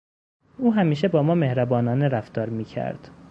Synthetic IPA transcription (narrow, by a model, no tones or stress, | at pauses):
ʔuːɦæmiːʃebɒːmɒːme̞hɾæbɒːnɒːneɾæft̪ɒːɾmiːcʰæ̰ɾd̪̥